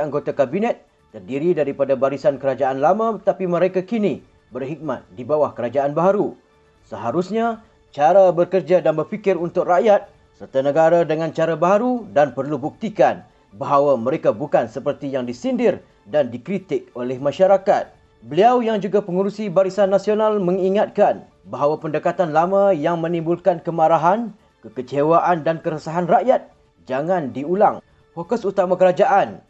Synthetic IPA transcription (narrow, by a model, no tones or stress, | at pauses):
aŋɡot̪akabinɛt̪̚ːərdiɾidaɾipadabaɾisankəɾad͡ʒaʔanlamãət̪apimə̃ɾekakini | bərɦik̚mat̪̚dibawahkəɾad͡ʒaʔanbaɦaɾu | səɦaɾusɲa | t͡ʃaɾabərkərd͡ʒadanbərfikɪɾunt̪ʊk̚raʔjat̪̚ | sərt̪anə̃ɡaɾadəŋãnt͡ʃaɾabaɦaɾudanpərlubuk̚t̪ikan | baɦawamə̃ɾekabukansəpərt̪ijaŋdisindɪr | dandikɾit̪ɪk̚olɛhmãʃaɾakat̪̚ | bəliawjaŋd͡ʒuɡapəŋuɾusibaɾisanːasionalmə̃ŋiŋat̪̚kan | baɦawapəndəkat̪anlamãjaŋmə̃nĩmbulkankəmaɾaɦan | kəkət͡ʃewaʔandankəɾəsaɦanraʔjat̪̚ | d͡ʒaŋãndiulaŋ | fokɔsut̪amãkəɾad͡ʒaʔan